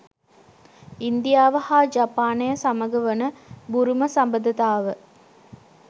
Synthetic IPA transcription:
ind̪ijaːʋəhaːd͡ʒapaːnejəsaməɡəʋənəbuɾuməsambəd̪ɐt̪aːʋə

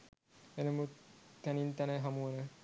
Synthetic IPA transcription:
enəmut̪ænint̪æneɦamuɐnə

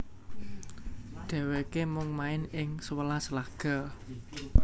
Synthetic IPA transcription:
ɖ̪̥a̤wekemʊŋmaɪnɪŋswəlasəlaɡ̥ɔ̤

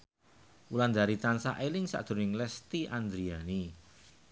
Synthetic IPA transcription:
uland̪aɾit̪ansaʔelɪŋsa̰ʔd̪̥o̤nɪŋlɛst̪iand̪ɾiani

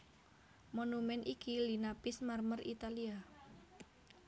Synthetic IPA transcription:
monumɛnʔikilinapɪsmarmərit̪alia

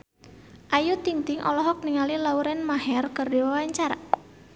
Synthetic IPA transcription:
ʔajut̪iŋt̪ɪŋʔɔlɔɦɔk̚niŋalilauɾɛnmaɦɛrkərdewawaɲt͡ʃaɾa

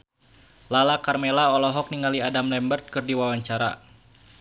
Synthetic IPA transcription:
lalakarmelaɔlɔɦɔk̚niŋaliadamlɛmbərt̪̚kɨrdiwawaɲt͡ʃaɾa̰

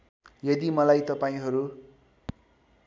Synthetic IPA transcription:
jʌd̪imʌlajt̪ʌpaĩɦʌɾu

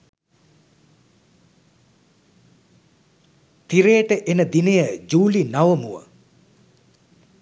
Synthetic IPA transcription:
t̪iɾeːʈəʔenəd̪inejəd͡ʒuːlinaʋəmuʋə̰

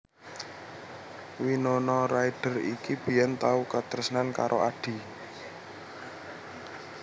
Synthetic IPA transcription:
winonɔɾaiɖ̥ə̤rḭkib̥i̤jant̪aukat̪əɾəsnankaɾʔoʔaɖ̥i̤

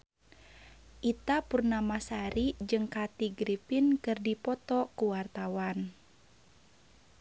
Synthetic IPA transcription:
ʔit̪apurnamasaɾid͡ʒɨŋkat̪iɡɾipinkɨrdipɔt̪ɔkuwart̪awan

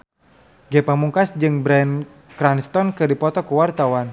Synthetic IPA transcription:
ɡɛpamuŋkasd͡ʒɨŋbɾan | kɾanst̪ɔnkɨrdipɔt̪ɔkuwart̪awan

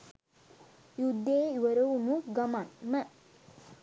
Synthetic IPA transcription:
jud̪ːeːuʋəɾəʋunuɡɐmanmə

